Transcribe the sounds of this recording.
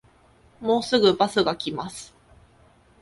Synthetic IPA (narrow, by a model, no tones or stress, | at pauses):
mo̞ːsɨɡɯ̟basɨɡakʲimasɨ̥